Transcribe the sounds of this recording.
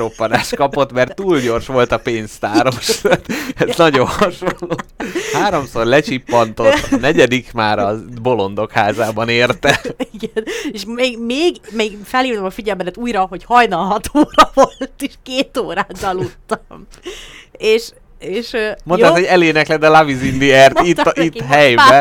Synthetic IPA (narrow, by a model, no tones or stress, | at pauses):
ɾo̞pːɒnaːʃkɒpo̞t̪mɛrt̪ːuːlɟo̞rʃʋo̞lt̪ɒpeːnst̪aːɾo̞ʃat̪ɛnɒɟonhɒʃɒlːohaːɾo̞mso̞rlɛt͡ʃipːɒnt̪o̞t̪ːɒnɛɟɛd̪ikmaːɾɒbo̞lo̞nd̪o̞khaːzaːbɒneːrt̪ɛiɡɛneʃmeːɡmeːɡmeːɡfɛliːvnɛmɒfiɟɛlmbɛd̪ɛt̪uːjrɒɦo̞chɒjnɒlɦɒt̪ʰoːrɒvo̞lt̪eʃkeːt̪oːɾaːt̪ɒlut̪ːɒm | eːʃ | eːʃømo̞nt̪ɛshoɟɛleːnɛklɛd̪ɛlavizind̪iɛrt̪it̪ːʔit̪ːɦɛjbɛ